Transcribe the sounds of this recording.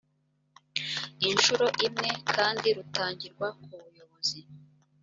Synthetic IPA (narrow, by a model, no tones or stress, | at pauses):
inʃuɾo̞ʔimŋe̞kʰaːndiɾutaːɲɟiɾɡwakuβujo̞βozi